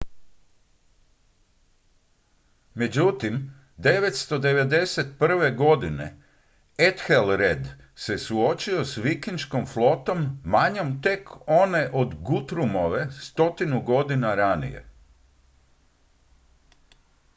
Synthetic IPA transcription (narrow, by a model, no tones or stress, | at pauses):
me̞d͡ʑut̪im | d̪e̞ʋe̞t̪st̪o̞d̪e̞ʋe̞d̪e̞se̞t̪pr̩ʋe̞ɡo̞d̪ine̞̰ | et̪xelɾed̪ | se̞suo̞t͡ʃio̞sʋikinʃko̞mflˠo̞t̪o̞mːaɲo̞mt̪e̞ko̞ne̞ʔod̪ɡut̪ɾumo̞ʋe̞st̪o̞t̪inuɡo̞d̪inaɾanḭje̞̰